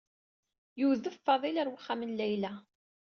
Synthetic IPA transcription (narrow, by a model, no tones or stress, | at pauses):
juðəffɑðˤilæɾwəχːamənlæjlæ